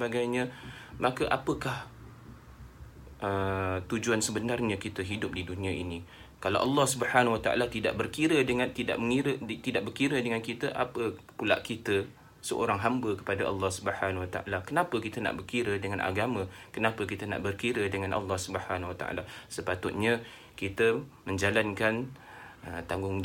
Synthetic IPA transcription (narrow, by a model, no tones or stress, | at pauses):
əbaɡajɲãmãkəʔapəkah | ʔət̪ud͡ʒuansəbənarɲəkit̪əɦidʊp̚didunĩaʔḭni | kalawʔɑlːɑhsubəhanwat̪aʔa̰lat̪ida̰ʔbərkiɾədəŋat̪ida̰ʔməŋiɾət̪idaʔbərkiɾədəŋankit̪əʔapəpula̰ʔkit̪ə | səʔo̰ɾaŋɦambəkə̥padaʔɑlːɑhsubəhanwat̪a̰ʔa̰lakənapəkit̪əna̰ʔbərkiɾədəŋanʔa̰ɡamə̃kənapəkit̪əna̰ʔbərkiɾədəŋãnʔɑ̰lːɑhsubəhanawat̪a̰ʔa̰lasəpat̪ʊt̪̚ɲã | kit̪əmə̃ɲd͡ʒalankan | ət̪aŋɡʊŋ